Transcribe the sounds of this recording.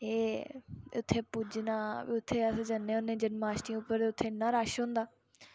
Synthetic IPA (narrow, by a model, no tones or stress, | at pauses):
eː | ʊt̪ʰːeːpud͡ʒnaːʋiːʊt̪ʰːeːəsd͡ʒənːeːʊnẽːd͡ʒənmaːsʈĩʊpːəɾeːʊt̪ʰːeːnãːɾaːʃɦõːnd̪aː